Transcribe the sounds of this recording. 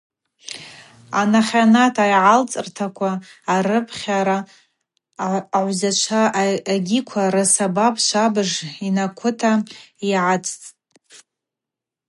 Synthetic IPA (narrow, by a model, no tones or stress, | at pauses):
anaχʲanatʰajʕalt͡sʼɨrtʰakʷʰaːrɨpʰχʲaɾa | ʕʷzat͡ʃʷʰaːɡʲikʷʰaɾasabapʰʼʃʷʰabɨʐinakʷʰʊtʰaiʕat͡sʼt͡sʼ